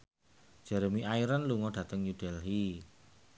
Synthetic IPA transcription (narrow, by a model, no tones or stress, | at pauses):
d͡ʒ̥ɛɾəmiʔaiɾanluŋɔɖ̥ä̤t̪əŋjud̥ɛlɦi